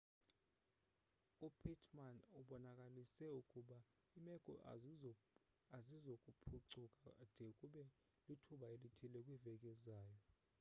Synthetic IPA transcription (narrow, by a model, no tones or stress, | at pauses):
upʰitʰmanuɓɔnakʼalisɛukʼuɓa | imɛɡ̥ʼʱɔ̰ʔ | azizokʼupʰuǀukʼad̥ʱɛukʼuɓɛ | litʰuɓaelitʰilɛkʼwivɛk̬ʼɛzaːjɔ